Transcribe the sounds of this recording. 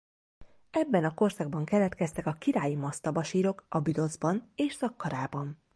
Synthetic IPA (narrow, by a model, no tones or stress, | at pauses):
ɛbːɛnɒko̞rsɒɡ̚bɒŋkɛlɛt̪kɛst̪ɛkɒkiɾaːjimɒst̪ɒbɒʃiːɾo̞kɒbyd̪o̞zbɒneːʃsɒkːɒɾaːbɒn